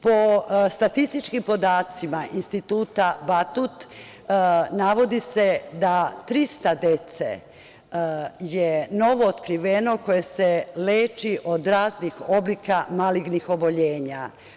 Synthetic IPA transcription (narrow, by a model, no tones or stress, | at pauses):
po̞st̪at̪ist̪it͡ʃkimpo̞d̪aːt̪simaʔinst̪it̪uːt̪abat̪ut̪ | naʋo̞d̪ise̞d̪at̪ɾist̪ad̪e̞t̪sḛ | jeno̞ʋo̞ːt̪kɾiʋeno̞ko̞jeseleːt͡ʃiʔod̪ɾaːznixo̞blikamaliɡnixo̞bo̞ʎeːɲa̰